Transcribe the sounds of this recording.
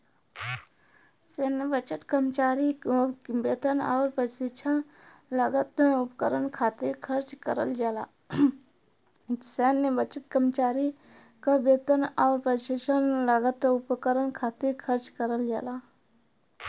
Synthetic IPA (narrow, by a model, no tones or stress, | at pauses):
seːnːebət͡ʃət̪kɾəmt͡ʃaːɾikbeːt̪ənaːɾpəsɪt͡ʃʰən | ləɡət̪ʊpkəɾənkʰaːt̪iɾkʰəɾt͡ʃkəɾəld͡ʒaːlaː | seːnːebət͡ʃət̪kəmt͡ʃaːɾi | kabeːt̪ənaːɾpəɾʃɪt͡ʃʰənləɡət̪ʊpkəɾənkʰaːt̪iɾkʰəɾt͡ʃkəɾəld͡ʒaːlaː